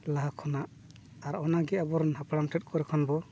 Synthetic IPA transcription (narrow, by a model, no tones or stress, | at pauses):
laɦakʰɔnaʔ | aɾɔnaɡɛabɔɾnɦapɽamtʰɛt̚ˀkɔɾɛkʰɔnbɔ